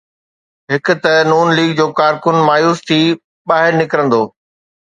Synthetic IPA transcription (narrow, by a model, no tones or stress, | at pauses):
ɦɪkʊ̆t̪ɐnuːnliːɡ̚d͡ʑoːkaːɾkʊnmaːjuːst̪ʰiː | ɓaːɦɪɾnɪkəɾə̃nd̪oː